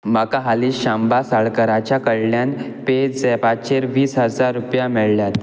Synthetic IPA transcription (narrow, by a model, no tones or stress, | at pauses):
məkaɦaliːɕambasəɭkəɾat͡ɕjakəɽljan | ped͡zd͡zɛpat͡ɕeɾʋiːsɦəd͡zaɾːupjamɛɭljat̪